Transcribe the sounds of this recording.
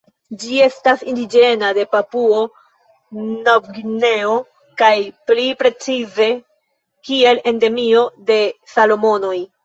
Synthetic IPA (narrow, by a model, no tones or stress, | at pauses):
d͡ʒie̞stasindid͡ʒe̞nade̞papuo | nawɡine̞o | kajplipɾe̞t͡size̞ | kie̞le̞nde̞mio̞de̞salo̞mo̞no̞j